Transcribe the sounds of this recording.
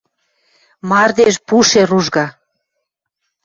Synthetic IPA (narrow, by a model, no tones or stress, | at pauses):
mɑrd̪eʃpuʃeɾuʒɣɑ